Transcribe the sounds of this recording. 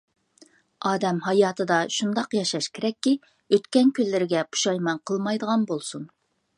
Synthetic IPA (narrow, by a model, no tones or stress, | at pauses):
ɑːd̪ɛmɦɑjɑːt̪ʰɨd̪ɑʃund̪ɑqjɑʃɑʃkʲʰeɾɛkʲːi | øt̪kʲɛnkʲʰylːɪɾɪɡʲɛpʰu̥ʃɑjmɑnqʰəlˠmɑjd̪əʁɑnbolˠsun